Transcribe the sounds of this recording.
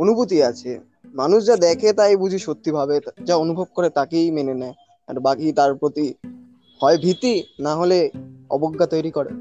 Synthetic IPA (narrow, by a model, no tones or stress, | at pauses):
onubut̪̬iat͡ɕʰe | manuʃd͡ʑad̪ɛkʰet̪ajbud͡ʑʱiʃot̪ːibʱabed͡ʑaonubʱob̚koɾet̪akejmenenɛe | a̰ɾbakit̪aɾpɾot̪i | hɔebʱit̪ːinaɦoleɔ̰boɡʱːat̪ojɾikoɾḛ